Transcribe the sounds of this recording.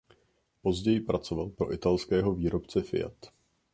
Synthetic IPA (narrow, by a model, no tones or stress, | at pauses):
po̞zɟɛjɪpɾat͡so̞valpɾo̞ʔɪt̪alskɛːɦo̞viːɾo̞pt͡sɛfɪ̰ja̰t̪